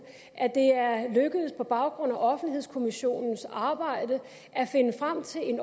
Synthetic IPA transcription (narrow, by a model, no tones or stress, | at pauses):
ʔæd̥e̝æɐløɡ̥əð̩ˠspʰɒ̽b̥ɑ̈ʊɡ̥ʁɔ̽n̰æʔɒ̽fn̩ihe̝̰skʰo̝miɕo̝̰ːnn̩sɑ̈ːb̥ɑ̈ɪ̰d̥ə | ʔæfe̝nəfʁam̰t͡sʰe̝le̝n